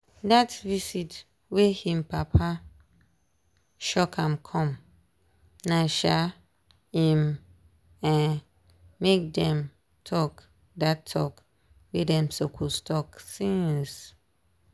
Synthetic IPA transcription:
datvisit | wehĩmpapʰa | ʃɔkʰãmkʰɔ̃m | naʃa | ĩm | ãn | mek̚dɛ̃m | tʰɔk | datʰːɔ̰k | wedɛ̃msokʰustʰɔksĩns

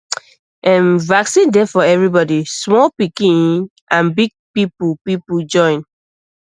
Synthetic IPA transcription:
ʔɛ̃nvaksĩndɛfɔɛvɹibɔdismɔlpikĩn | ʔãnbiɡ̚pipupipud͡ʒɔ̃ɪ̃n

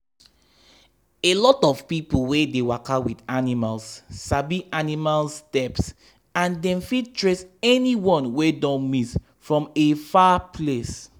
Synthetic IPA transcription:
elɔtɔv̥pipolwedewakawidanimalssabiʔanimalstɛps | ãndɛ̃mfid̚tʰɹesɛniwɔ̃nwedɔ̃nmis | fɹɔ̃mefapʰles

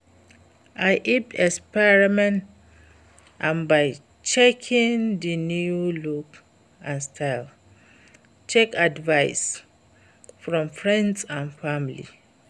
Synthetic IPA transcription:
ʔajʔipɛkspɛɹimɛ̃nt | ʔãnbaɪ | t͡ʃɛkʰĩŋdinjuluk | ãnstʰaɪl | t͡ʃɛkadvaɪs | fɹɔ̃mfɹɛ̃ndsãnfamilḭ

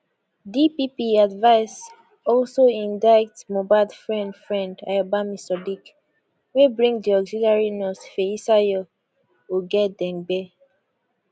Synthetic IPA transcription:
dipipiadvaɪs | ɔlsoĩndaɪk̚tmobadfɹɛ̃ndfɹɛ̃nda̰jabamisɔdik | webɹĩŋdiɔɡzilaɹinɔsfeisajɔ | uɡɛt̚dɛ̃nbɛ

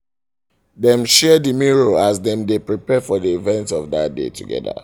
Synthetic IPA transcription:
dɛ̃mʃɛdəmiɹoazðɛ̃mdepɹipɛfɔðiivɛ̃ntsɔvdat̚dḛtʰṵɡɛ̰də̰

